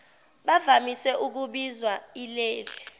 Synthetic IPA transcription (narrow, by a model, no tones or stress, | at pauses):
ɓavamisɛʔuk̬uɓizwailɛːlɛ